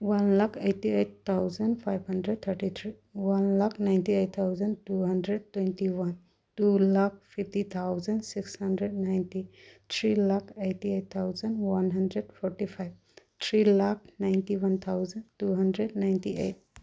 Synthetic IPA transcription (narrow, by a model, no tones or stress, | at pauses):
wɐnlakʰejʈiejʈt̪ʰːawzənɖpʰajbɦəndɾeɖ̚t̪ʰəɾʈit̪ʰɾi | wɐnlakʰnajnʈiejt̚t̪ʰːawzənʈuɦənɖɾeɖ̚twɛ̃nʈiwɐn | ʈulak̚pʰipʈit̪ʰawzənɖsikshənɖɾeɖnajnʈit̪ʰɾilakʰeʈiet̚t̪ʰawzənɖwɐnɦɐnɖɾeɖpɔɾʈipʰajb | t̪ʰɾilak̚ʰnajnʈiwɐnt̪ʰawzənʈuɦənɖɾeɖnajnʈiḛjʈ̚